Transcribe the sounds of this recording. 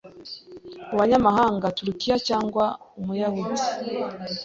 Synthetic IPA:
uβaɲamaɦaːŋɡatuɾukijacaːŋɡwaumujaho

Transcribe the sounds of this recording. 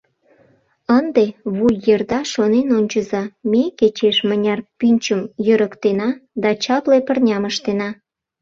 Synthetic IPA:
ənd̪eβujːerd̪ɑʃonenonʲt͡ɕə̆zɑmeket͡ɕeʃmənʲɑrpynʲt͡ɕəmjøɾəkt̪enɑd̪ɑt͡ɕɑplepərnʲɑməʃt̪enɑ

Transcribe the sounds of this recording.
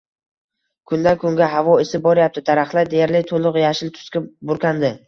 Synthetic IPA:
kʰʊnd̪ankʰʊŋɡʲaɦavɒɪsɪbɒɾjap̚t̪ʰɪd̪aɾaχlˠad̪ejaɾlɪt̪ʰolˠʊqjaʃɪlt̪ʰʊ̥skʲabʊɾkʲʰand̪ɪ

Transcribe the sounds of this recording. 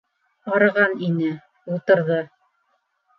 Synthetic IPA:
ɑɾɤ̆ʁɑninɘ | ulˠt̪ɤ̆ɾðɤ

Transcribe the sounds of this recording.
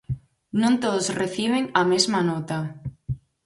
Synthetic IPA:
nõnt̪oðʊsreθiβeŋɐmezmanot̪a

